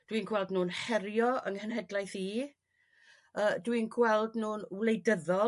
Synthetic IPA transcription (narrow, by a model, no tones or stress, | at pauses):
d̥winɡwɛlˠdnuːnhɛɾjɔʔəŋhənɦɛdlˠajθiː | əːdwinɡwɛlˠdnuːnwlˠejdəðɔ